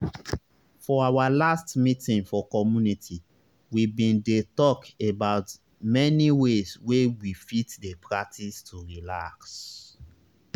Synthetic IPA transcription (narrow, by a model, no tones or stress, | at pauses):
fɔawalastmitĩŋfɔkɔmjunitʰi | wibĩndetɔkebaʊt | mɛniweswewifitdepɹak̚tʰistʰuɹilaks